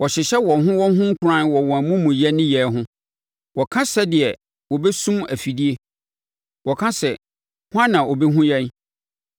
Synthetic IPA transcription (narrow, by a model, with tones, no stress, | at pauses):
wɔ˨ɕɪ˨ɕɛ˦wɔ˨ɦʊ̃˦wɔ˦ɦʊ̃˦ŋ̩˦kʰʊ˨ɾã˦nwɔ˨wɔ̃˨æ˨mũ˦mũ˨jɛ˦nɪ̃˦jɛ˨ɦʊ̃˦ | wɔ˨kʰã˦sɛ˦dɪ˨ɛ˨ | wɔ˨bɛ˦sũ˦mæ˨fi˨di˦e˦ | wʔɔ˨kʰã˦sɛ˨ | hʊ˦ã˦nã˨ʔo˨be˦ɦũ˦jɛ˦n